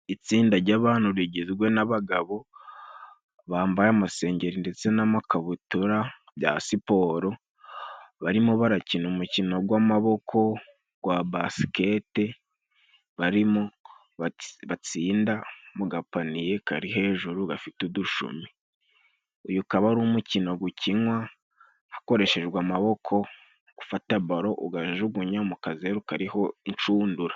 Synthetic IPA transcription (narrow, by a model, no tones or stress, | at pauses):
it͡siːndaɾɟaβaːn̥huβiɟezɡwe̞naβaɡaβo̞ | βaːmbajamase̞ːɲɟe̞ɾinde̞t͡se̞namakaβutuɾa | bja̰sipo̞ːɾo̞ | βaɾimoβaɾacinumucino̞ɡwamaβo̞kʰo̞ | ɡ̥wabasi̥ke̞te̞ | βaɾimo | βat͡siːndamuɡapanije̞kaɾiɦe̞ːʒuɾuɡafituduʃṵmi | ujukaβaɾumucino̞ɡuciŋwa | hḁko̞ɾe̞ʃe̞ʒɡwamaβo̞kʰo̞ | ɡ̥ufataβaɾo̞ʔuɡaʒeʒuɡuɲamukazeɾukaɾiho̞int͡ʃuːnduɾa